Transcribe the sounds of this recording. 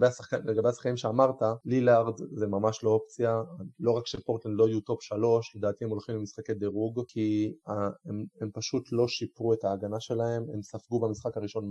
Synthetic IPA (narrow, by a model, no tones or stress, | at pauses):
beasakanleɡabe̞asḁkanimʃe̞amaʁt̪alilaʁd̪zemamaʃloopt͡sjalo̞ʁakʃepo̞ʁt̪land̪lo̞ajut̪o̞pʃalo̞ʃled̪aːt̪iemolχimlemisχaked̪eʁuɡkʰiaemempaʃut̪ʰlo̞ʃipʁue̞taːɡanaʃe̞lahe̞me̞msafɡubamisχakaʁiʃo̞n